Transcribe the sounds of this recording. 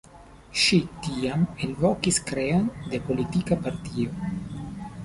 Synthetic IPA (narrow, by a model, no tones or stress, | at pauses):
ʃitiamenvokiskɾeande̞po̞litikapaɾtio